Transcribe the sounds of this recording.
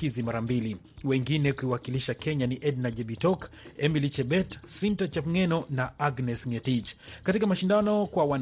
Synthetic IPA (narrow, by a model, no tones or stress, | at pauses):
izimaɾambili | wɛŋɡinɛkuiwakiliʃakɛɲaniʔɛdnaʄɛbitɔk | ɛmilit͡ʃɛbɛtsintat͡ʃapŋɛnɔnaaɡnɛsŋɛtid͡ʒkatikamaʃindanɔkwawan